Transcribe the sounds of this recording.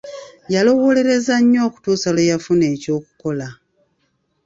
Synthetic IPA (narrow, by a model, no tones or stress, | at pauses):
jalo̞wo̞ːle̞ɾe̞zaɲːo̞ːku̥tuːsalejafune̞ːco̞ːkuko̞la